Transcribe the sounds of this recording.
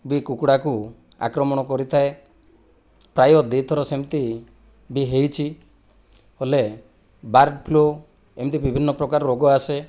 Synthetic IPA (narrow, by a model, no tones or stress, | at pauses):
bikukuɽaku | a̰kɾɔmɔɽ̃ɔkɔɾit̪ʰae | pɾajɔd̪et̪ʰɔɾɔsemt̪i | biɦejt͡ʃʰi | hole | baɾɖpʰlo | emt̪ibibʱinːɔpɾɔkaɾɔɾoɡɔase